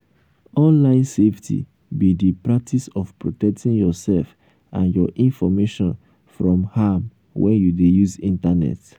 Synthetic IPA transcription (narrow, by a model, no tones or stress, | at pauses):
ɔ̃nlãɪ̃nseftʰḭ | bidipɹak̚tʰisɔfpɹotɛk̚tĩŋjɔsɛlf | ʔã̰njɔʔĩnfɔmeʃɔ̃n | fɹɔ̃mham | wɛ̰̃njudejuzĩntanɛ̰t